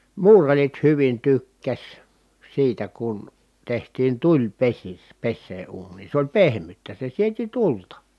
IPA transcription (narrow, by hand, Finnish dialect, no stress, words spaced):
muːrɑrit hyʋin tykːæs siːtæ kun tehtiːn tulʲpesis pesːeː uːnˑiːn̞ sĕ olʲ pehmytːæ se sieti tultɑ